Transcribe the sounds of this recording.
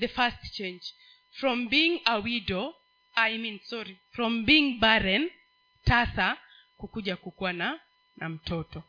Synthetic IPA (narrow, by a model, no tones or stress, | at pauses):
ðəfastt͡ʃẽnd͡ʒ | fɹɔ̃mbiŋawidɔ | ajmĩnsɔɾifɹɔ̃mbiŋbaɾɛn | tasa | kukud͡ʒakukuana | nam̩tʰɔtɔ